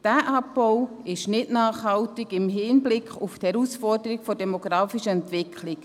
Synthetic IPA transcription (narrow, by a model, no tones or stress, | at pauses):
d̥æːʔɑpbɔw | ɪʃnɪtnaːχhɑltɪɡɪmɦɪnblɪkʰχufthɛɾusfɔrdəɾikfodɛmoɡɾaːfiʃəɛntvɪkʰlɪk